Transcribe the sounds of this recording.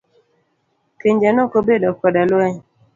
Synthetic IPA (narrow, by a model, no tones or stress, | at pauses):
keɲd͡ʒanɔkobedɔkɔdaloɛɲ